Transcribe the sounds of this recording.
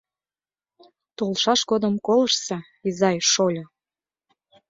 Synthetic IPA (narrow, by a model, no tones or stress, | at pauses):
t̪olˠʃɑʃɡod̪əmkoləʃse | izɑjʃolʲo